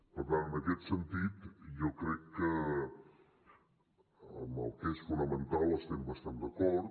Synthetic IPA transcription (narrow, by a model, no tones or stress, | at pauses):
pəɾt̪anənəkɛt̪sənt̪it̪jokɾɛkːə | əməlˠkesfunəmənt̪alˠəst̪ɛmbəst̪and̪əkɔɾ